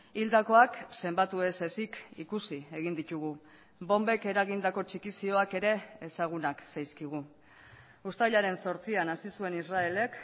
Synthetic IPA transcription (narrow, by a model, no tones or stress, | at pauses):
ild̪ako̞akse̞mbat̪ue̞se̞sikḭkusie̞ɣ̞ind̪it̪uɣ̞u | bo̞mbe̞ke̞ɾaɣind̪ako̞t͡ʃikisio̞ake̞ɾe̞ːsaɣ̞unaksajskiɣ̞u | ust̪aʎaɾe̞nso̞ɾt͡sianasisue̞nisrae̞le̞k